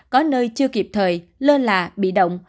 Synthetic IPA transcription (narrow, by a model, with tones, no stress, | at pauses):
kɔ˨˦nəː˧jt͡ɕɨ˧əki˨˩p̚t̪ʰəː˨˩jləː˧laː˨˩ɓḭ˧˨ɗə̰˧˨wŋ͡m